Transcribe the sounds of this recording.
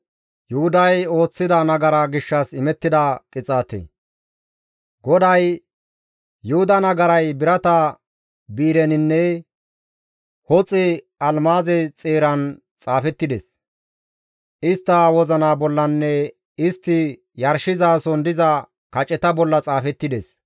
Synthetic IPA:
jʊhʊd̪ɐjo̞ːt͡sːɪd̪ɐnɐɡɐɾaɡɪʃːɐsɪmɛt̪ːɪd̪ɐkʼɪt͡sʼaːt̪ḛ | ɡɔd̪ɐj | jʊhʊd̪ɐnɐɡɐɾɐjbɪɾɐt̪ɐ | biːɾɛnɪnːɛ | hɔt͡sʼɪ | ɐlmaːzɛt͡sʼeːɾɐn | t͡sʼaːfɛt̪ːɪd̪ɛ̰s | ʔɪst̪ːɐwɔzɐnaːbɔlːɐnːɛ | ɪst̪ːɪ | jɐɾʃɪzaːsɔnd̪ɪzɐ | kɐt͡ʃʼɛt̪ɐbɔlːɐt͡sʼaːfɛt̪ːɪd̪es

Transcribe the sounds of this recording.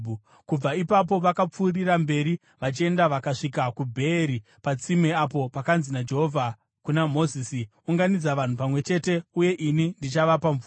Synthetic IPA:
kub͡vaipap̬o̞ʋakap͡fuːrirambe̞ːɾi | ʋat͡ʃie̞ndaʋakaʂikakubʱe̞ːɾi | pat͡simweapo̞pakanzinad͡ʒe̞ɦovʱa | kunamo̞zisi | uŋɡanid͡zaʋan̤upamwe̞t͡ʃe̞te̞uje̞ʔinindit͡ʃaʋapaɱvuː

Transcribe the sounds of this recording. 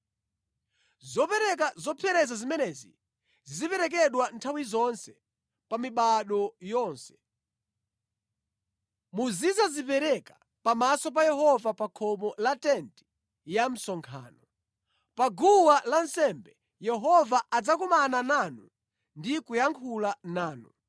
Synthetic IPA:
zɔpɛɾɛk̬azɔpʰɛɾɛzazimɛnɛzḭ | zzipɛɾɛk̬ɛɗwantʰawizɔnsɛ | pamiɓaɗɔjɔːnsɛ̥ | muzizazipɛɾɛkḁ | pamasɔp̬ajɛɦɔvapakʰɔmɔlatɛnti̥ | jam̩sɔŋkʰa̰ːnɔ | paɡuwalansɛmbɛ | jɛɦɔvaʔad͡zakumanananu | ndikujaŋkʰulanaːnu

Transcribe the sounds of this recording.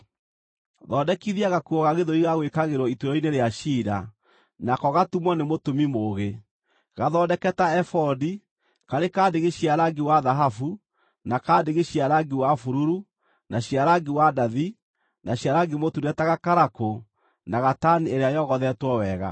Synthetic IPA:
ðɔːdɛkiðiaɣakuɔɣaɣeðoiɣaɣwekaɣeɾɔituɾɔineɾeaʃiɾa | nakɔɣatumwɔnemotomimoːɣe | ɣaðɔdɛkɛtaɛfɔdi | kaɾekadeɣeɕiaɾaɡewaðaɦafu | nakadeɣeɕiaɾaɡewafuɾuɾu | naɕiaɾaɡiwadaði | naɕjaɾaɡemotuɾɛtaɣakaɾako | naɣatanieɾeajɔɣɔðɛtwɔwɛːɣa̰

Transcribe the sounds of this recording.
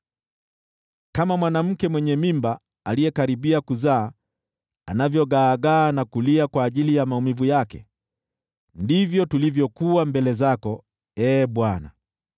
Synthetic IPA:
kamamwanam̩kɛmwɛɲɛmimba | alijɛkaɾiɓiakuzaː | anavjɔɠaːɠaːnakuliakwaːʄilijamaumivujakɛ̰ | ndivjɔtulivjɔkuambɛlɛzakɔ | ɛːɓwana̰

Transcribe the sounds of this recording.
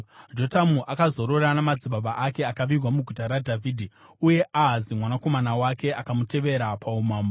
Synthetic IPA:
d͡ʒo̞tamuʔakazo̞ɾo̞ranamad͡ziɓaɓaʔake̞akaʋirwamuɡʱutaɾadʱavʱiːdʱi | uje̞ʔaɦazimwanako̞manawake̞ʔakamute̞ʋe̞ɾapʰaumaːmbo

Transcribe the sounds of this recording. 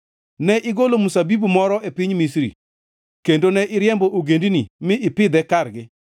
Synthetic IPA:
nɛʔɪɡolomusabibumɔɾɔʔepiɲmisɾḭ | kendonɛʔɪɾjɛmboʔoɡendinimɪʔɪpɪd̪ɛkarɡɪ

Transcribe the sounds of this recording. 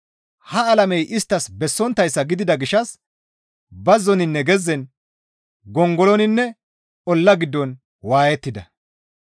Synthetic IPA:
hɐɐlɐmɛjʔɪst̪ːɐsbɛsːɔnt̪ːɐjsːɐɡɪd̪ɪd̪ɐɡɪʃɐs | bɐzːɔnɪnːɛɡɛzːɛn | ɡɔŋɡɔlɔnɪnːɛ | ɔlːɐɡɪd̪ːɔn | waːjɛt̪ːɪd̪ɐ̰

